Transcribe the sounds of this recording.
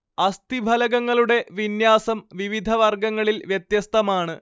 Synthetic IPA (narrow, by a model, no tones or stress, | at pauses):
ɐst̪ibʱɐlɐɣɐŋːɐɭuɽe̞ʋinjaːsɐmʋiʋid̪ʱɐʋɐrɡɐŋːɐɭilʋjet̪jɐst̪ɐmaːɳɨ